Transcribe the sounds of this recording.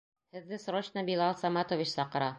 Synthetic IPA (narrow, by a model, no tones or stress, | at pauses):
hɘ̆ðːɘsɾoɕnɑbʲilˠɑlˠsɑmɑt̪ovʲit͡ɕsɑqɤ̆ɾɑ